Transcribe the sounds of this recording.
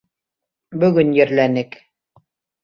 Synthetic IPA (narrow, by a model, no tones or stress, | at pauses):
bɵ̆ɡɵnjɘ̆ɾlænɘk